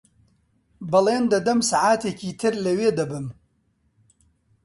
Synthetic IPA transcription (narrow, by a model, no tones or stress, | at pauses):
bɐlˠeːnd̪ɐd̪ɐmsaʕaːt̪ʰeːciːt̪ʰɨɾlɐweːd̪ɐbɨm